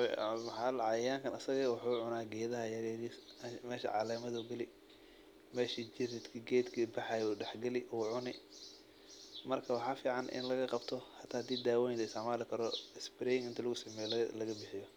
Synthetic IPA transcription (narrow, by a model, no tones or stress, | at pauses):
ħɐlʕɑjjaːŋkʰɐnɐsɐɣɐwʊħuːʕʊnaːɡɛːðɐɦɐjɐɾɛɾimɛːʃɐ̰ʕɑ̰lɛːmɐðɐʊɡɐlɪ | mɛːʃid͡ʒɪɾɪt̪kʰɐɡɛːd̪kʰɐbɐħɑjuːɖɛħɡɐlɪʔuːʕʊnɪ | mɐrkʰɐwɑħɑːfiːʕɑnʔɪ̰nlɐɣɐqɑbt̪ʰɔhɑt̪ʰaːhd̪iːd̪aːwɔjɪnlɐɪsɪʕmaːlɪkʰɐɾɔɪsbɪɾɛːjɪŋɪnt̪ʰɐlɐɣʊsɐmɛːjɔlɐɣɐbɪħɪjɔ